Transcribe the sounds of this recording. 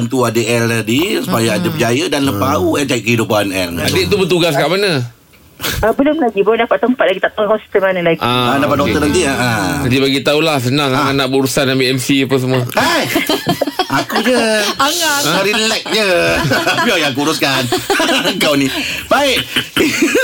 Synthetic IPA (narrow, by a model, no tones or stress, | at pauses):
nt̪uadəɛlədisu̥pajaadəpəd͡ʒajədanləpauɛd͡ʒaiʔ̚kəɦidupanɛ̰ladɪʔt̪ubət̪uɡas̬kaʔmanə | əbəlʊmlaɡibəlʊndapaʔ̪t̪əmpat̪̚laɡit̪aʔt̪aakɔst̪əmanəlaɡʔaadappat̪̚dɔkeənant̪iaad͡ʒadibaɡit̪aulahs̬ənaŋaaʔnaʔbəuɾusanambiɛmsiapəs̬əmuəa | akud͡ʒəaŋaəɾinlɛk̚d͡ʒə | iajaŋkuɾʊskanŋkawnibaɪʔ